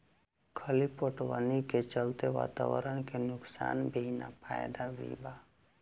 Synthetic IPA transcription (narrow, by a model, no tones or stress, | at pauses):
kʰəlipoʈwə̰niket͡ʃəlt̪eʋa̰ːt̪a̰wə̰ɾəɽ̃kenʊksa̰ːnbʱina̰pʰa̰ːjd̪aʋḭba